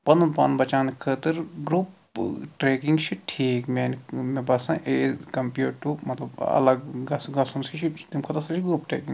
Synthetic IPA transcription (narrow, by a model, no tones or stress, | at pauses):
pɐnunpɐ̰nbɐt͡ʃaːnikʰət̪ɨɾɡɾuːp | ʈɾeːkiŋɡt͡ʃʰiʈʰiːkmeːnmẽbɐsãʔeːkɐmpjuːʈʈːumɐt̪lɐbɐ̰lɐɡɡɐsɡɐsunsit͡ʃʰit̪imkʰɐt̪ɐɾsɐt͡ʃʰiɡɾuːpʈɾḛːkiŋɡ